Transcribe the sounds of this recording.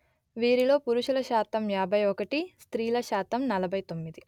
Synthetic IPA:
ʋiːɾilo̞ːpuɾuʃulɐʃaːt̪ɐmjaːbʱɐjɔkɐʈist̪ɾiːlɐʃaːt̪ɐmnɐlɐbʱɐjt̪o̞mːid̪i

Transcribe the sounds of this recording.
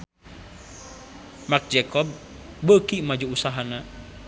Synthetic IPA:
mak̚d͡ʒɛkɔb̚ːəkimad͡ʒuusaɦana

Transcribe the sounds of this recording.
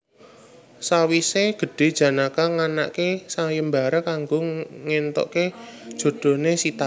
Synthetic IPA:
sawiseɡ̥ə̤ɖ̥e̤d̥ʒ̥ä̤nakaŋana̰ʔkesajəmbaɾakaŋɡoŋent̪ɔ̰ʔked̥ʒ̥o̤d̪̥o̤nesit̪a

